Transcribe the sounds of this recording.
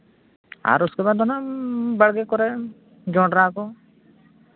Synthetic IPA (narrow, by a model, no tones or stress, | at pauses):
a̰ɾuskebad̪ʱɔnabaɽɡɛkɔɾɛ | d͡ʒɔɖɾakɔ